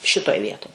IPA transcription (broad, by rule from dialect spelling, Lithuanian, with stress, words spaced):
ˈʃʲɪtoːj ˈʋʲiɛtoːj